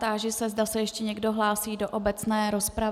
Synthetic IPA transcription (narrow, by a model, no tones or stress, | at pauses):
t̪aːʒɪsɛzdasɛjɛʃcɛɲɛɡdo̞ɦlaːsiːdo̞ʔobɛt͡snɛːɾo̞spɾa